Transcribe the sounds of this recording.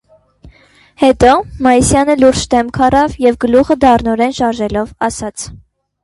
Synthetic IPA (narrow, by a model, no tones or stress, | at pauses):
hɛt̪ɔmɑjisjɑnəluɾd͡ʒd̪ɛmkʰɑrɑvjɛvɡəluʁəd̪ɑrnɔɾɛnʃɑɾʒɛlɔvɑsɑt͡sʰ